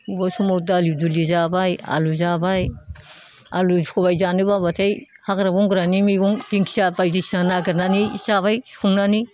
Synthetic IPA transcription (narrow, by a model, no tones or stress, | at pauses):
ubasumowdalidulizabaja̰luzabaj | a̰luzikʰoβajzanibaβatʰaj | haɡɾabuŋɡɾanimiɡuŋd̥iŋkʰi̥sabajzisanaɡiɾnaniz̥aβajskʰuŋnani